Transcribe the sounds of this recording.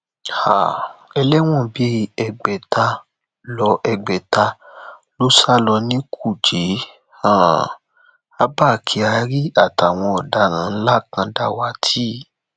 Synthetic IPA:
ha̰˨ɛ˧lɛ˦w̃ɔ̃˦˨bi˨˦ɛ˧˨ɡ͡bɛ˨ta˧ | lɔ˧ʔɛ˧ɡ͡bɛ˨ta˧lo˦sa˦lɔ˧nĩ˦kʰu˦˨d͡ʒe˨˦ | ã˦˨ | a˦ba˦˨kʰi˧a˧˦ɾi˦a˦˨ta˨w̃ɔ̃˧ɔ˨da˧˦ɾ̃ã˨˦n̩˦la˦˨kã˧da˧˦wa˦tʰi˦

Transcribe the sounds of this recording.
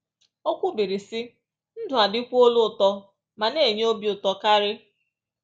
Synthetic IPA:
o˦kʷu˦bi˨ɾi˨sɪ˦ | n̩˦dʊ˨a˨dɪ˦kʷo˦lʊ˦ʊ˨tɔ˦ | ma˨ne˦˨ɲ˦o˦bjʊ˨tɔ˨ka˦ɾɪ˦

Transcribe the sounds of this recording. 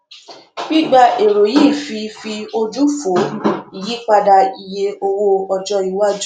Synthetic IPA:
ɡ͡bi˦ɡ͡ba˧ʔe˨ɾo˨jiː˦˨fi˧fi˧o˧d͡ʒu˦fo˨˦i˨ji˨˦k͡pa˧da˧i˨je˧o˧wo˧ɔ˧d͡ʒɔ˧i˨˦wa˦d͡ʒu˦

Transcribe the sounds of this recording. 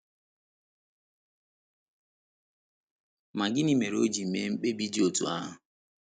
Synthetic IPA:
ma˨ɡɪ˦ni˦me˨ɾo˦d͡ʒi˨m̩˨me˨˦m̩˦k͡pe˦bi˦d͡ʒi˦o˨tṵ˨a̰˦ɦʊ˨

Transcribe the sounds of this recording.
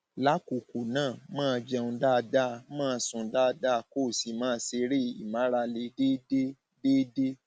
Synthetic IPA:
la˦ku˨ko˨nãː˦˨mãː˦˧d͡ʒɛ˧ũ˧da˦˧da˦˧mãː˦˧sũ˧da˦˧da˦˧ko˦˨si˨˦mãː˦˧˦se˧ɾe˦˨ḭ˨mã˨˦ɾa˧le˧de˦de˦ | de˦de˦

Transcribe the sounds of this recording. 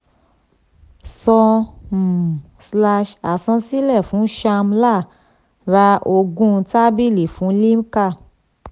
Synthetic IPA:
sɔ̃˧m̩˨ | sla˧ʃa˨sɔ̃˧si˦lɛ˦˨fũ˨˦ʃa˧mla˦˨ | ɾa˧ʔo˧ɡũ˦˧ta˦bi˦li˨fũ˨˦li˦m˦ka˦˨

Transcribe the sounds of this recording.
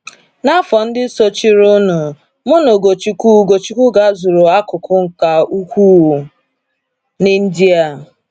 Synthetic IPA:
na˦fɔ˨n̩˦dɪ˦so˦t͡ʃi˦ɾʊ˦nʊ˨ | mʊ˦no˨ɡo˨t͡ʃi˦ku˦ɡo˨t͡ʃi˦kʷu˦ɡa˨˦zʊ˨ɾʊ˨a˦kʊ˨kʰʊ˦ŋ̩˨ka˨u˦kʷu˦˨ | nɪ˦n̩˦di˦a˦˨

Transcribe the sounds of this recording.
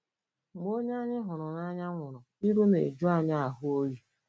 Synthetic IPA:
m˦o˦ɲa˦ɲɪ˦ɦʊ˨ɾʊ˨na˦ɲa˦ŋʷʊ˨ɾʊ˨ | i˦ɾu˦mḛ˨d͡ʒʊ˦a˦˨ɲa˦a˨ɦʊ˦o˦ɾi˨

